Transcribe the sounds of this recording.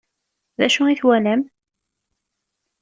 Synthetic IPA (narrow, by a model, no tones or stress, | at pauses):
ðæʃuiθwænæm